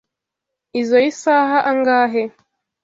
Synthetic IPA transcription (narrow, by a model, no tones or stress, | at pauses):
izojisaɦaʔaŋɡaːɦe